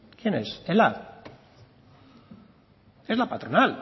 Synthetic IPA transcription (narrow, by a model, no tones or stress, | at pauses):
kjenesela | ezlapat̪ɾonal